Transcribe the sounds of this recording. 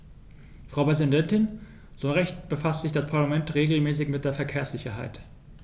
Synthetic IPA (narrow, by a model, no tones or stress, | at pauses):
fʁ̥aʊpʁɛzindɛntɪn | z̥oːʁɛçtb̥əfastz̥ɪçd̥aspʰaɐlamɛntʁeːɡl̩mɛːsɪçmɪt̚d̥eːɐfɛɐkʰeːɐsz̥ɪçɐɦa̰ɪt